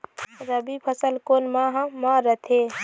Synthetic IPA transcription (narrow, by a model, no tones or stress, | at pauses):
ɾəbipʰəsəlkonmãɦmaɾət̪ʰe